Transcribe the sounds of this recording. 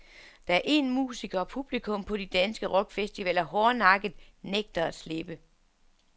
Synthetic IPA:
d̥ɑ̈æɐʔe̝nmṵːsiɡ̥ɐɒ̽pʰub̥likʰɔ̽mpʰɒ̽d̥id̥ænsɡ̥əʁɒɡ̥fesd̥iʋɛlɐɦɒːnɑ̈ɡ̥ð̩ˠ | neɡ̥̚d̥ɐæd̥sle̝b̥ə

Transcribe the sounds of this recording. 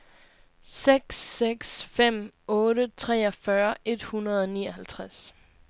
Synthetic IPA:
seɡ̥seɡ̥sfem̰ɔ̽ːɾət͡sʰʁɛ̰ːɒfɶɐʔe̝d̥hunɐð̞ˠɒniːɐhælt͡sʰʁas

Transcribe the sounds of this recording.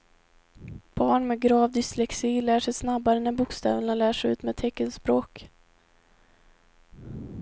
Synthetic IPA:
b̥ɑːɳmɛːɡɾɑːvd̪ɪslɛksiːlæːʂɛjsnabːaɾənɛbʊkst̪ɑ̰ːvnalæːʂɛjʉ̟ːt̪mɛːt̪ʰɛkːənspɾoːk

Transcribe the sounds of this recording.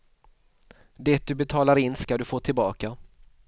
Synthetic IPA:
d̪ɛt̪̚d̪ɵbɛt̪ʰɑːlaɾɪnskad̪ɵfoːʈʰɪlbɑːka

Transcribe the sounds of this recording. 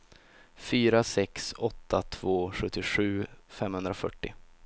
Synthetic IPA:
fyːɾasɛksɔt̪ʰːat̪ʰvoːɧɵt̪ʰːɪɧʉ̟ːfɛmhɵnd̪ɾafœʈːɪ̰

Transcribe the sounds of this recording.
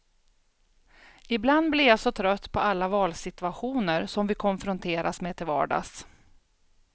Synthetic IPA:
ɪbland̪blɪɾjasɔt̪ʰɾœt̪ːpʰɔalːavɑːlsɪt̪ɵaɧuːnəɾsɔmvɪkʰɔnfɾʊnt̪ʰeːɾʔasmeːt̪ʰɪlvɑ̰ːɖɑ̰s

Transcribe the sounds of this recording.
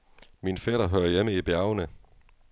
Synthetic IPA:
minfɛd̥ɐɦøːɐjeməib̥jæɐʊnə

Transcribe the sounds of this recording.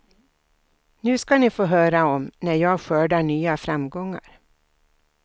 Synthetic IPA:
nʉ̟ːskanɪfoːɦœːɾaɔmnæɾjɑːɡɧœːɖaɳyːafɾamɡɔŋːa̰ɾ

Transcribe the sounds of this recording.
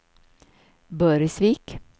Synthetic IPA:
bœːɾɪsʋiːk

